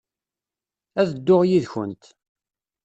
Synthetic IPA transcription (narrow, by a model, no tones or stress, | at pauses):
æðəd̪ːʊʁjiðçə̰nt̪